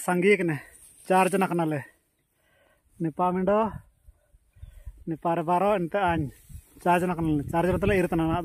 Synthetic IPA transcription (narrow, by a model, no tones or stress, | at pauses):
saŋɡikɛnɛ | t͡ʃaɾd͡ʒɔnakanalɛ | nipamiɳɖɔ | nipaɾɛbaɾɔɛnt̪ɛaɲt͡ʃaːɾd͡ʒɔnaknalɛt͡ʃaɾd͡ʒɔnat̪̬lɛiɾt̪anana